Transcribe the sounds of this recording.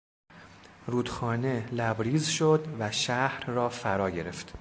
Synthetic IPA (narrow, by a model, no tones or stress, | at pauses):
ruːd̪̥xɒːne̞læbɾiːzʃod̪væʃæhɾrɒːfæɾɒːɟe̞ɾe̞ft̪